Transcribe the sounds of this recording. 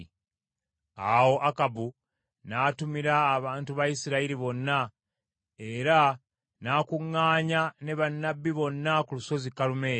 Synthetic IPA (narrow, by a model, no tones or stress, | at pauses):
awo̞ʔakabu | naːtumiɾaːβaːntuβajisiɾaiɾiβo̞nːa | e̞ɾa | naːkuŋːaːɲane̞βanːabːiβo̞nːakuluso̞zikːalume̞ː